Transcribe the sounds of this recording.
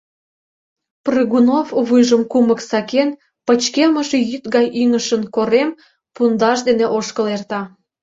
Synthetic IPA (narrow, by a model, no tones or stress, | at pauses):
prɨɣunovβɨjʒəmkuməksɑken | pət͡ɕkeməʃejyt̪ɣɑjiŋəʃənkoɾem | pund̪ɑʃ̬d̪eneʔoʃkəlert̪ɑ